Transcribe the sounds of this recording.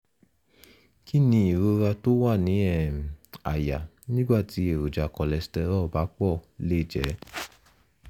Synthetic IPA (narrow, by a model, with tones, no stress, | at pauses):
ki˦˨nĩ˧˦i˨ɾo˨˦ɾa˧to˦wa˦˨nĩ˨˦ɛ˦˨a̰˨ja̰˨nĩ˦ɡ͡ba˦˨ti˨˦e˦˨ɾo˨d͡ʒa˨kɔ˨lɛ˨stɛ˧ɾɔ˦˨ba˨˦k͡pɔ˦˨le˦˨d͡ʒɛ̰˨˦